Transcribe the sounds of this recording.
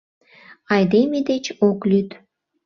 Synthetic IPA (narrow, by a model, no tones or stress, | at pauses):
ɑjd̪emed̪et͡ɕoklyt̪